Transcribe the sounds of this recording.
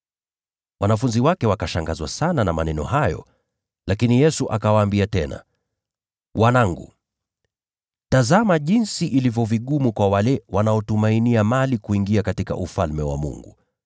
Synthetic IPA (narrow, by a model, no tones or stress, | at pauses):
wanafunziwakɛwakaʃaŋɡazwasananamanɛnɔ̰ɦajɔ̰ | lakinijɛsuʔakawaːmbiatɛna̰ | wʔanaŋɡṵ | tazamaʄinsiʔilivjɔviɠumukwawalɛwanaɔtumainiamalikuiŋɡiakatika̰ʔufalmɛwa̰mṵŋɡṵ